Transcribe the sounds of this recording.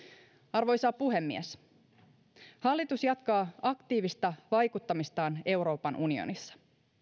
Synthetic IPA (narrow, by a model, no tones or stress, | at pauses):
ɑrʋo̞jsɑːpuɦe̞mːies | hɑlːit̪usjɑt̪kɑːɑkt̪iːʋist̪ɑʋɑjkut̪ːɑmist̪ɑːne̞wɾo̞ːpɑnʔunio̰nisːɑ̥